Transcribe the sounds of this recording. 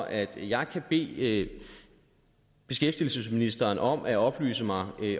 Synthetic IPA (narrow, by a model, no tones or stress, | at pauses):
ʔæd̥jɑ̈ɪkʰæb̥e̝̰ː | b̥e̝sɡ̥efd̥il̩səsminisd̥ɐːnʔɒ̽m̰ʔæɒ̽b̥ly̰ːsəmɑ̈ɪ